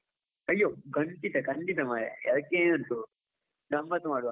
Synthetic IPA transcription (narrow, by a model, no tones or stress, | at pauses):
ɐjːoːɡɐɳʈit̪ɐkɐɳɖit̪ɐmajɐ̰ɐðɐkːeɐnt̪u | ɡɐmːɐt̪umaːɽuʋa